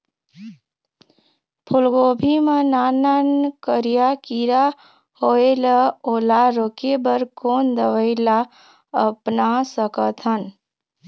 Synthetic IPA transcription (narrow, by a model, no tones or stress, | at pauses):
pʰulɡobʱimananankəɾijakiɾa | hoeləolaɾokebəɾkond̪əʋəɪla | əpnasəkət̪ʰən